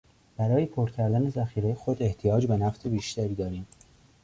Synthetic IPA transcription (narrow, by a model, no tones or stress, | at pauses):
b̥æɾɒːje̞pʰoɾcʰæɾd̪æne̞zæxiːɾejexod̪e̞ht̪ʰijɒːd͡ʒbe̞næft̪e̞biːʃt̪æɾiːd̪ɒːɾiːm